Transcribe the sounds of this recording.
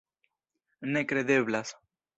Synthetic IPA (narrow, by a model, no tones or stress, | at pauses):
nekɾeðeβlas